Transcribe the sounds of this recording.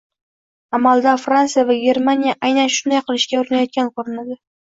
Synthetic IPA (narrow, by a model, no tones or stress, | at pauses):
amalˠd̪afɾansijavaɡʲe̞ɾmanijaʔajnanʃʊnd̪ajqʰɨlˠɪʃkʲaʊɾɪnajɒt̪̚kʲʰankʰoɾɪnad̪ɪ